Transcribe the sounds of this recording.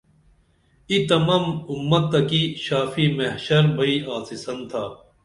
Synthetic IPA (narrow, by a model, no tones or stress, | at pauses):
it̪ɐmɐːmʊmːɐt̪ːɐkiɕaːfiːmɐɦɕɐɾbʱɐiːʔaːsisɐnt̪ʰaː